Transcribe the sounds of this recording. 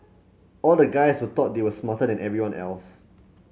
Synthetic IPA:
ɔldəɡaɪshut̪ɔt̚dewəsmatədɛ̃nɛvɹiwãnʔɛ̰ls

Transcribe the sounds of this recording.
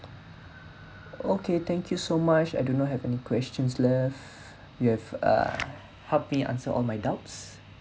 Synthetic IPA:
okʰet̪ɛ̃ŋkʰjusomat͡ʃajdõnɔt̚ɦɛvɛnikwɛst͡ʃə̃nslɛf | juhɛvʌ̰ | hɛlpmiʔã̰nsəʔɔ̰lmajdaʊts

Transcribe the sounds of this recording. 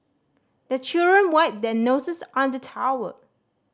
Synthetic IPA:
dət͡ʃildɹə̃nwaɪt̚dɛnosəsɔ̃ndətʰaə̰

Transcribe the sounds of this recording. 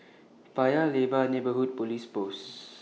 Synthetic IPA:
fajalebanebəɦut̚polispos

